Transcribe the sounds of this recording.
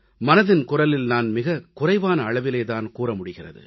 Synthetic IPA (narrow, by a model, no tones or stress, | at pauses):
mɐnɐðɪnkʊrɐlɪlnaːnmɪɣɐkʊrɐɪʋaːnɐːɭɐʋɪleːt̪aːnkuːrɐmʊɽɪɣɪrɐ̰ðɯ̰